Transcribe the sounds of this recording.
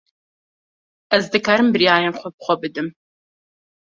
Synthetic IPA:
ɐzd̪ɨkʰaɾɨmbɨɾijaːɾɛmχʷɔp̚χʷɔbɨd̪ɨm

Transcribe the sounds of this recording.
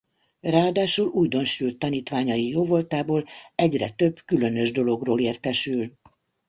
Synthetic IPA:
raːd̪aːʃuluːjd̪o̞nʃylt̪ːɒniːt̪ʋaːɲɒjijoːvolt̪aːboːlɛɟrɛ̰t̪ø̞bkylø̞nø̞ʒd̪o̞lo̞ɡroːleːrt̪ɛʃyl

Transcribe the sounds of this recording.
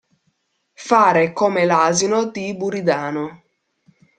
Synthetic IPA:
faːɾekomelaːzinod̪ibuɾid̪aːno

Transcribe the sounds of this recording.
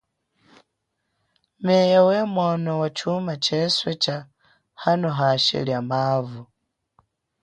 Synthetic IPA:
mejawemwanowat͡ʃumat͡ʃeswet͡ʃa | hanoɦaʃḭljamaːvu

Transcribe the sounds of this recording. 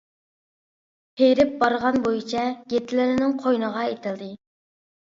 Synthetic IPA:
pʰejɾɪp̚bɑɾʁɑnbojit͡ʃʰɛɡ̥ʲet̪ʰɪlɪɾɪnɪŋqʰojnəʁɑet̪ʰɪld̪ɨ

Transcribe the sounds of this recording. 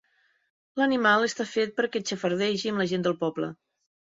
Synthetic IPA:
lənimalˠəst̪afet̪̚pəɾkɛt͡ʃəfəɾð̞ɛʒiəmləʒend̪əlˠpɔblə̰

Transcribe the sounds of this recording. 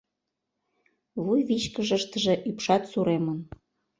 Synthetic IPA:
βujβit͡ɕkəʒəʃt̪əʒĕʔypʃɑt̪suɾemən

